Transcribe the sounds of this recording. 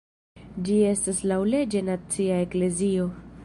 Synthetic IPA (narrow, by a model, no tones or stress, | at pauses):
d͡ʒie̞staslawle̞d͡ʒe̞nat͡siae̞kle̞zio̞